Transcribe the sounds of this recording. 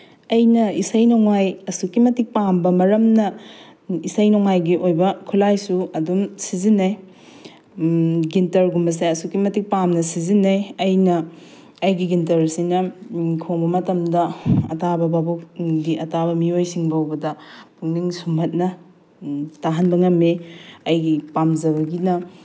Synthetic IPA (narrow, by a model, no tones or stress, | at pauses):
ɐjnɐisɐjnoŋajɐsukimɐtik̚pambɐmɐɾɐmnɐ | isɐjnɔŋajɡiʔojbɐkʰulajsuɐdumsizinːɐj | ɡintɐɾɡumbɐseɐsukimɐtik̚pamnɐsizinːɐjɐjnɐ | ɐjɡiɡintɐɾsinɐkʰoŋbɐmɐtɐmdɐɐ̰tabɐbabuɡiɐtabɐmiojsiŋbwbɐdɐpʰuŋniŋsumbɐt̚nɐ | taɦɐnbɐŋɐmeɐjɡipamzɐbɐɡinɐ